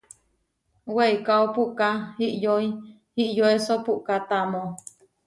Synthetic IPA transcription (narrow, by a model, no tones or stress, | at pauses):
weikaopuʔkahiʔjoi | hiʔjoesopuʔkat̪amo